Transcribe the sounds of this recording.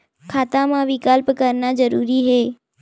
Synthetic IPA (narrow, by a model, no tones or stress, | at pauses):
kʰaːt̪amãʋɪkalpəkəɾnad͡ʒəɾuːɾiɦeː